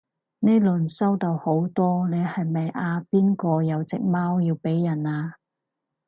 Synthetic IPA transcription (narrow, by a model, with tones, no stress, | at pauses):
ne˥lɵ˨nsɐ˥wt̪ɐ˨˧who˨˥wt̪ɔː˥ne˨˧jhɐ˨jmɐ˨jʔaː˧piː˥nkɔː˧jɐ˨˧wt͡sɪ˨k̚maː˥wjiː˧wpe˨˥jːɐ˨˩naː˧